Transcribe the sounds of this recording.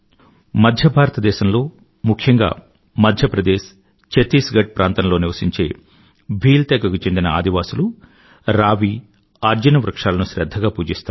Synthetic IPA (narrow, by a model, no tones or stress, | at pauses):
mɐd̪ʱjɐbʱaːɾɐt̪ɐd̪ɛːʃɐmlo̞ː | mukʰjɐŋɡa̰ː | mɐd̪ʱjɐpɾɐd̪eːʃ | t͡ʃet̪iːsɡɐɖ̚pɾʔaːnt̪ɐmlo̞ːniʋɐsiɲt͡ʃe̞̰ː | bʱiːlt̪ɛːɡɐkut͡ʃend̪inɐa̰ːd̪iʋaːsulu | ɾaːʋi | aːɾd͡ʒɐnɐʋɾɐkʂaːlɐnuʃɾɛd̪ʱːɐɡaːpuːd͡ʒist̪aː